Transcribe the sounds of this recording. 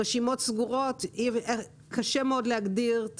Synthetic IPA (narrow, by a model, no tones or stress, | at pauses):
eʃimo̞tsɡuʁot̪ive | kʰaʃemeod̪leaɡdiʁ